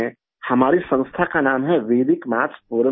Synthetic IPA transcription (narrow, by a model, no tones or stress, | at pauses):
hɐmaːɾisə̃ŋst̪ʰakanaːmɦɛʋeːd̪ɪkmaːt͡ʃpuːɾə